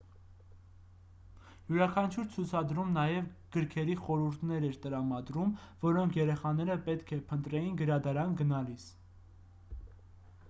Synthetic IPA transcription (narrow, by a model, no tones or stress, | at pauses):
juɾɑkʰɑnt͡ʃʰuɾt͡sʰut͡sʰɑd̪ɾumnɑjɛvɡ̥əɾkʰɛɾiχɔɾuɾt̪ʰnɛɾɛɾt̪əɾɑmɑd̪ɾumvɔɾɔŋkʰjɛɾɛχɑnɛɾəpɛt̪kʰɛpʰənt̪ɾɛjinɡəɾɑd̪ɑɾɑnɡənɑlis